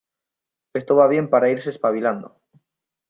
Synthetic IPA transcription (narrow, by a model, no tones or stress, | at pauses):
est̪oβaβ̞je̞mpaɾaiɾsespaβiland̪o̰